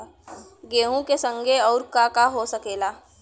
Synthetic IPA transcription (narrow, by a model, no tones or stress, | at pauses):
ɡeːɦũkesə̃ŋɡʱeɔːɾkaːkaɦosɐkeːlaː